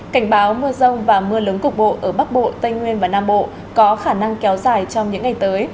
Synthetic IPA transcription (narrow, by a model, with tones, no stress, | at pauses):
ka˧˩jŋ̟ɓaː˨˦wmɨ˧əzə˧wŋ͡mvaː˨˩mɨ˧əlɨ˨˦ŋkʊ˨˩k͡p̚ɓo̰˧˨ʔəː˧˩ɓa˦˥k̚ɓo̰˧˨t̪ə˧jŋŋwi˧ənvaː˨˩naː˧mɓo̰˧˨ | kɔ˨˦xaː˧˩na˧ŋkɛ˨˦wzaː˨˩jt͡ɕɔ˧wŋ͡mɲɨ̰˧˥ŋːa˨˩jt̪əː˨˦j